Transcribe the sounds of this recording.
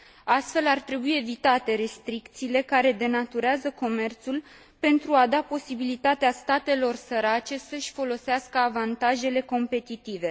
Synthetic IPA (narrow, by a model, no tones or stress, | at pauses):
ast̪fe̞lart̪ɾe̞buie̞vit̪at̪e̞ɾe̞st̪ɾikt̪siːle̞kaɾe̞d̪e̞nat̪uɾeazəko̞me̞rt̪sul | pe̞nt̪ɾuad̪apo̞sibilit̪at̪east̪at̪e̞lo̞rsəɾat͡ʃe̞səʃʲfo̞lo̞seaskəavant̪aʒe̞le̞ko̞mpe̞t̪it̪ive̞